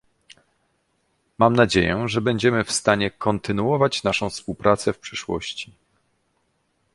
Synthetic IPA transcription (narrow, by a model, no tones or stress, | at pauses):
mamnad͡ʑejɛʐɛbɛɲd͡ʑɛmɘfst̪aɲɛkʰɔnt̪ɘnuɔvat͡ɕnaʂɔ̃w̃fspuwpɾat̪sɛfpʂɘʂwɔ̰ɕt͡ɕi̥